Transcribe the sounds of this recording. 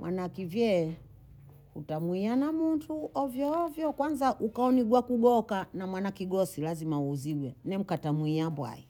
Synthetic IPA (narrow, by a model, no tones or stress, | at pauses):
mwʔanaakivjɛ | utamwianamuntʰuɔvjɔːvjɔkwanzaʔukaɔniɡwakuɡɔkanamwanakiɡɔsilazimauːziɡwɛnɛm̩katamuiabwa̰i